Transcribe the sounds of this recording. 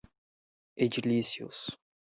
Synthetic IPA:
ed͡ʒilisiʊ̰s

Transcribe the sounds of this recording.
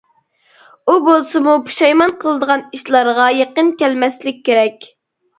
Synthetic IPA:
ubolˠsɨmupʰu̥ʃɑjmɑnqʰəlˠɨd̪əʁɑniʃlˠɑɾʁɑjeqənkʲælmɛslɪk̚ʲʰːeɾɛkʲ

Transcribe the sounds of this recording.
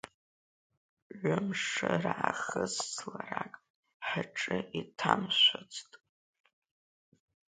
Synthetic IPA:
ʕʷʊmʂaraaχəzsʰlarakʼ | ħaʈ͡ʂʼɨʔitʰamʃʷat͡sʰtʼ

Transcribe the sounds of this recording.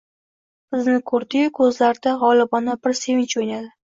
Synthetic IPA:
b̥ɪznɪkʰɵɾd̪ɪkʰɵzlaɾd̪aʁɒlˠɪbɒnabɪɾse̞vɪŋt͡ʃojnad̪ɪ

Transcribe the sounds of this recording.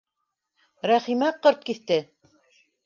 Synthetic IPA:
ɾæχimæqɤɾt̪̚kiθt̪ɘ

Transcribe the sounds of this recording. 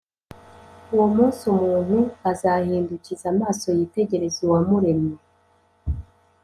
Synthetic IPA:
uwo̞muːnsumuːnhuazahiːnducizamaːso̞jite̞ɟe̞ɾe̞zuwamuɾe̞me

